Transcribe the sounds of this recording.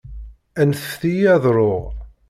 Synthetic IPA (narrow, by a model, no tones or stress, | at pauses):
ænθfθijæðˤɾˤoʁ